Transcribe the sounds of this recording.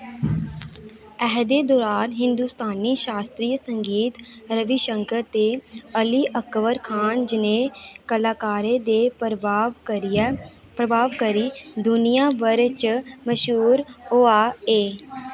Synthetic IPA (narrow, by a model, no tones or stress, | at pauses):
ɛɦd̪eːd̪oːɾaːnɦɪ̃nd̪uːst̪aːniːʃaːst̪ɾiːsəŋɡiːt̪ | ɾəʋiʃəŋkəɾt̪eːəliːʔəkʋəɾkʰaːnd͡ʒɪneːkəlaːkaːɾeːd̪eːʋ | pɾəbʱaːʋkəɾiːd̪ʊnijaːʋəɾt͡ʃməʃuːɾoːaːeː